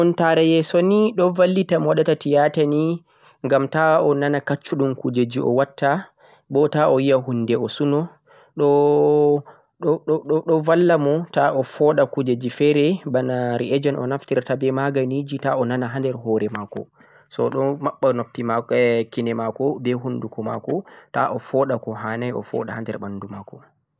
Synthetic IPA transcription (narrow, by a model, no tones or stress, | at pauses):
ɔntaɾɛjɛsɔniɗɔvalːitamɔwaɗatatijatani | ŋɡamtaɔnanakat͡ʃːuɗumkud͡ʒed͡ʒiʔɔ̰watːa | bɔtaʔɔjijaɦunːdɛɔsunɔ | ɗɔ | ɗɔɗɔɔɗɔvalːamɔtaʔɔfɔɗakud͡ʒed͡ʒifɛɾɛbanaɾiʔɛd͡ʒɔnɔ̰naftiɾtabɛmaɡanid͡ʒitaɔnanaɦandɛɾɦɔːɾɛmaːkɔ̰ | sɔɗɔmaɓːanopːimakinɛmakɔbɛɦundukɔma̰kɔtaʔɔfɔːɗakɔɦaːnajɔ̰fɔ̰ɗahandɛɾɓandumakɔ